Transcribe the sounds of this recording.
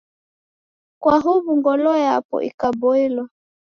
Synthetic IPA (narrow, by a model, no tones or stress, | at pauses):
kwaɦuβuŋɡɔlɔjapɔ̰ʔḭkabɔilwa